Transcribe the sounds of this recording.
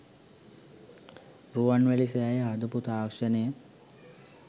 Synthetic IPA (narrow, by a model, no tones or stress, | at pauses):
ruʋanʋæliseajəad̪uput̪aːkʂənəjə